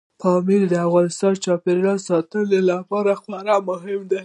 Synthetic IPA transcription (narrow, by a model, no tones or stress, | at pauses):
fɑmiɾd̪əafɣɑnɪst̪ɑnt͡ʃɑpeɾɡɑsɑt̪ənelapɑɾaxwaɾamʊɦɪmd̪a